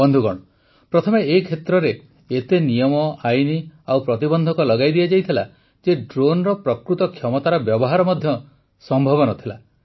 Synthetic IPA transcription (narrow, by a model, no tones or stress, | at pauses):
bɔnd̪ʱuɡɔɽ̃ɔ | pɾɔt̪ʰɔmeːikʰet̪ɾɔɾe | et̪enijɔmɔajniawpɾɔt̪ibɔnd̪ʱɔkɔlɔɡajd̪iad͡ʒajt̪ʰila | d͡ʒeɖɾonɾɔpɾɔkɾut̪ɔkʰjɔmɔt̪aɾɔbjɔbɔɦaɾɔmɔd̪ʱjɔ | sɔmbʱɔβɔnɔt̪ʰila